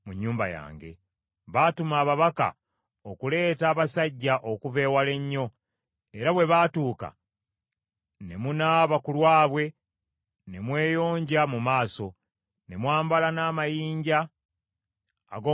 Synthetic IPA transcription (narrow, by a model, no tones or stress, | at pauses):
muɲːuːmba̰ja̰ːŋɡe̞̰ | βatumaːβaβaka̰ | okule̞ːtaːβasaɟːaʔo̞kuve̞ːwale̞ɲːo̞ | e̞ɾaβwe̞βaːtuːka̰ | ne̞̰munaβakulwaːβwe̞ | ne̞mwe̞ːjo̞ːɲɟamumaːso̞ | ne̞mwaːmbalanaːmajiːɲɟa | ɡo